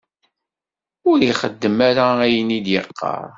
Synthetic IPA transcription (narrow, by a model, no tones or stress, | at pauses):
ʊɾiχəd̪ːəmaɾaæjənid̪jəqːɑ̰ɾˤ